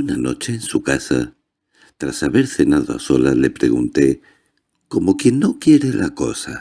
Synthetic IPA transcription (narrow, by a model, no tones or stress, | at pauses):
unano̞̰t͡ʃeːnsukasa̰ | t̪ɾasaβe̞ɾθe̞nað̞oa̰so̞lale̞pɾe̞ɣunt̪e̞ | ko̞mo̞kje̞nːo̞kjeɾelako̞sa